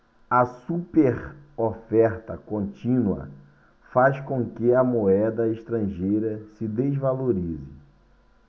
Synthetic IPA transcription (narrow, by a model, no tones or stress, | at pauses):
ɐsupeɾofɛɾt̪ɐkõnt͡ʃĩnuɐ̰ | faskõkɪɐmoɛd̪ɐeʃt̪ɾɐ̃ʒejɾɐsɪd̪ezvaloɾizɪ